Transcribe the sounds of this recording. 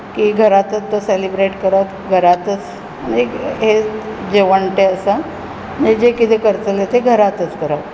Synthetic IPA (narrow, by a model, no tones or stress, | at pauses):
kiɡʱəɾat̪ət͡s̪ːəselibɾeʈkəɾat̪ɡʱəɾat̪ət͡s | neɦed͡ʑeʋəɳʈ̪eəsa | ned͡ʑekit̪ʰekəɾt͡səlet̪eɡʱəɾat̪ət͡skəɾat